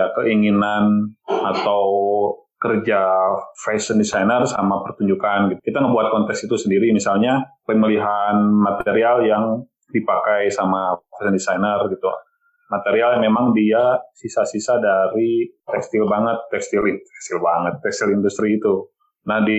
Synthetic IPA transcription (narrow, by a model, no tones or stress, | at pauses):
akəʔiŋinanat̪awwkərd͡ʒafɛsəndisajnərsamapərt̪uɲd͡ʒukanɡit̪u̥kit̪aŋəbuat̪̚kɔnt̪ɛksit̪usəndiɾimisalɲapaməliɦanmat̪eɾialjaŋ | dipakajsamafɛsəndisajnərɡit̪ula̰ | mat̪eɾialjaŋmemaŋdiasisasisadaɾit̪ɛkst̪ɪlbaŋət̪ːɛkst̪ilfɛsɪlbaŋət̪ːɛkst̪ilindust̪ɾiːt̪u | nahdi